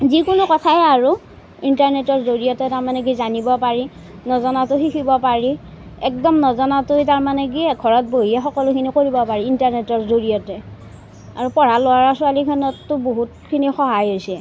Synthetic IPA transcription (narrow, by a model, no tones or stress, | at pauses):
zikʊnʊkɔtʰajaɹu | intaɹnɛtɔɹzoɹijɔtɛtaɹmanɛɡizanibɔpaɹi | nɔzɔnatʊxikʰibɔpaɹi | ɛk̚dɔmnɔzɔnatʊjtaɹmanɛk̬iɡʱɔɹɔt̚boɦiɛxɔkɔlʊkʰinikoɹibɔpaɹiintaɹnɛtɔɹzoɹijɔtɛ | aɹupɔɹalʊwaɹasʊalikʰɔnɔtːʊboɦutkʰinixɔɦajɦojsɛ